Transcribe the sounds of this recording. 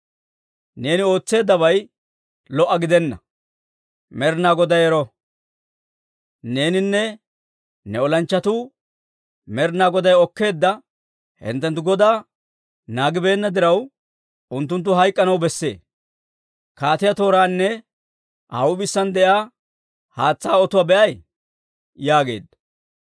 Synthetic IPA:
ne̞ːnɪo̞ːt͡sːe̞ːd̪ːɐβɐj | lɔʔːɐɡɪd̪ɛnːɐ | mɛɾnaːɡɔd̪ɐjɛɾɔ | ne̞ːnɪnːɛ | nɛɔlɐnt͡ʃːɐt̪ʊ | mɛɾnaːɡɔd̪ɐjɔkːe̞ːd̪ːɐ | hɪ̰nt̪ːɛnt̪ːʊɡɔd̪aː | naːɡɪbe̞ːnːɐd̪ɪɾɐw | ʊnt̪ːʊnt̪̬ːʊɦɐjkʼːɐnɐwbɛsːe̞̰ː | kaːt̪ɪjɐt̪o̞ːɾaːnːɛ | ʔɐwʊbɪsːɐnd̪ɛʔjaː | haːt͡sːaːɔt̪ʊwabɛʔɐj | jaːɡe̞̰ːd̪ːɐ

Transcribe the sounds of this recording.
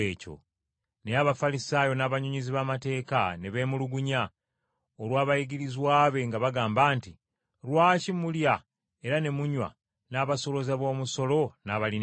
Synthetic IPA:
eːco̰ | nejaβafalisaːjo̞naːβaɲuɲiziβamate̞ːkane̞βe̞ːmuluɡuɲa | olwaːβajiɡiɾizwaːβe̞ŋɡaβaɡaːmbaːnti | ɾwaːcimulja | e̞ɾane̞muɲwa̰ | naːβaso̞lo̞zaβo̞ːmuso̞lo̞naβali

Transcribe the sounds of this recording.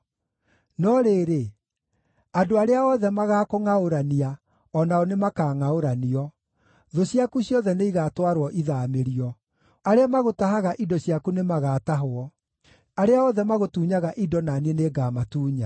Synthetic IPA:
nɔɾeːɾe | adoaɾeaɔðɛmaɣaːkoŋaoɾania | ɔnaɔnemakaːŋaoɾaniɔ | ðoɕiakuɕjɔðɛneiɣatwaɾwɔʔiðameɾiɔ | aɾeamaɣotaɦaɣaʔidɔɕiakunemaɣaːtaɦoɔ | aɾeaɔðɛmaɣotuːɲaɣaʔidɔnanieneɡaːmatuːɲa

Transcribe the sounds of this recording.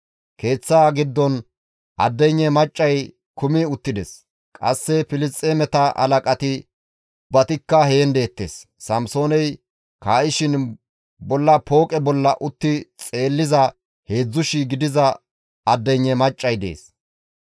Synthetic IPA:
ke̞ːt͡sːaːɡɪd̪ːɔn | ʔɐ̰d̪ːɛɲːɛmɐt͡ʃʼːɐj | kʊmɪʊt̪ːɪd̪ɛs | kʼɐ̰sːɛfɪlɪst̪ʼːeːmɛt̪ɐʔɐ̰lɐkʼɐt̪ɪ | bɐt̪ɪkːɐheːnd̪e̞ːt̪ːḛsː | ɐmso̞ːnɛj | kaːʔɪʃɪn | bɔlːɐpʰo̞ːkʼɛbɔlːɐʔʊt̪ːɪt͡sʼe̞ːlːɪzɐ | he̞ːd͡zːʊʃɪɡɪd̪ɪzɐ | ɐd̪ːɛɲːɛmɐt͡ʃʼːɐjd̪ḛːs

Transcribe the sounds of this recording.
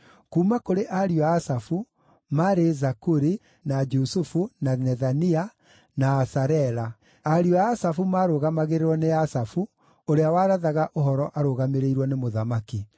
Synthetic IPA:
kuːmakoɾeʔaɾiɔaːsafu | maɾezakuɾi | nad͡ʒusufunanɛðania | naːsaɾɛɾa | aɾiɔaːsafumaːɾoɣamaɣeɾeɾwɔneasafu | oɾeawaːɾaðaɣaʔoɦɔɾɔʔaɾoɣameɾeiɾwɔnemoðamaki

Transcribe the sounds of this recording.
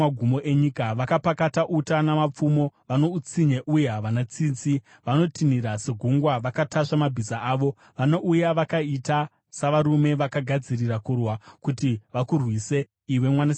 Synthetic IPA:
aɡʱumo̞ʔe̞ɲikaʋakapakataʔutanamap͡fumo̞ʋano̞ut͡siɲeʔujeɦaʋanat͡siːnt͡si | ʋano̞tʰiniɾaseɡʱuŋɡwaʋakataʂamabʱizaaːʋo̞ | ʋano̞ʔujaʋakaita | saʋaɾume̞ʋakaɡʱad͡zirirakurwakutiʋakurwise̞ | iwe̞mwana

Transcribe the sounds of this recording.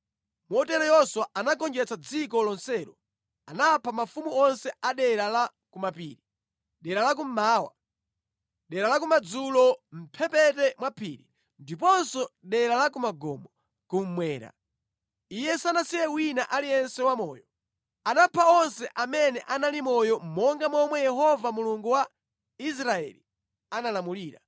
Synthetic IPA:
mɔtɛɾɔjɔswaʔanakɔnd͡ʒɛt͡sad͡zikɔlɔnsɛɾɔ | anapʰamafumuɔnsɛaɗɛɾala | kumapiːɾi | ɗɛɾalak̬um̩maːwa̰ | ɗɛɾalakumad͡zulɔm̩pʰɛpɛtɛmwapʰḭɾi | ndipɔnsɔɗɛɾalakumaɡɔ̰mɔ | kum̩mwɛːɾa̰ | ijɛsanasijɛwinaʔaliɛnsɛwamɔːjɔ | anapʰaɔnsɛʔamɛnɛʔanalimɔjɔmɔŋɡamɔmwɛjɛɦɔvamuluŋɡuwa | is̬ɾaɛ̰li | analamuliːɾa̰

